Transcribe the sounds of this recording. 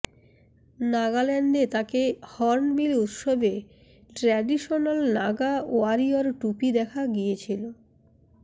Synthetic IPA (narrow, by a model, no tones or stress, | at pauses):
naɡalɛnɖet̪akehɔɾnbilut̪ʃobe | ʈɾɛɖiʃonalnaɡaoaɾioɾʈupid̪ɛkʰaɡijet͡ɕʰilo